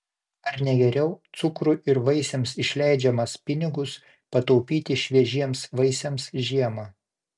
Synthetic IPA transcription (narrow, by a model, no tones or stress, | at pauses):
ɐɾnʲɛɡʲɛɾʲɛʊt̪sʊkɾʊʔɪɾʋɐɪsʲɛmsɪʃʲlʲæˑɪd͡ʒʲɛmɐspʲɪnʲɪɡʊs | pɐt̪ɒʊpʲiːt̪ʲɪʃʲʋʲiɛʒʲiɛmsʋɐɪsʲɛmsʒʲiɛmɐː